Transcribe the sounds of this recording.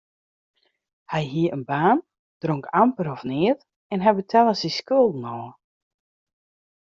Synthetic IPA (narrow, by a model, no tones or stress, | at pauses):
hɛjɦiəənbaːn | d̥roŋkʰampəɾɔfnɪːət | ɛnɦɛjbətʰɛlˠəsiskøəlˠdn̩ɔːə